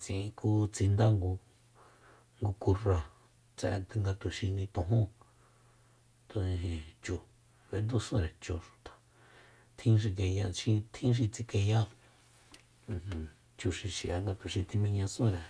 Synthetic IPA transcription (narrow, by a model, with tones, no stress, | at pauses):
t͡sĩ˧˨ĩ˧ku˧t͡si˧nd̪a˦ŋɡu˧ | ŋɡu˧ku˧rã˧˨ | t͡sɛ̰˧t̪ŋɡa˧t̪u˨ʃĩ˧nĩ˧t̪õ˧ɦũ˦ | t̪o˧nĩ˧ɦĩ˧˨t͡ʃu˧ | βe˧˦nd̪u˦sẽ˦˧ɾe˨t͡ʃu˧ʃu̥˨t̪ḁ˨ | t̪ʰĩ˦ʃ̬i˧ke˧ja˧ʃĩ˧t̪ʰĩ˦ʃ̬i˧t͡si˧ke˧ja˦˧˨ | t͡ʃu˧ʃi˧ʃi˨a˧ŋɡa˧t̪u˨ʃĩ˧t̪i˧mĩ˧ɲã˧sẽ˦˧ɾe˨